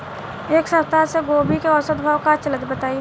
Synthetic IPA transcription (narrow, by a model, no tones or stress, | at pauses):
eːksəwst̪aseɡoːbʱikeɔsət̪bʱaːwkat͡ʃələd̪bət̪aːi